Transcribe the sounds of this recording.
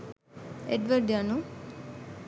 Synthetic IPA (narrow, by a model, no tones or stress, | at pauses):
eɖʋəɾɖjanu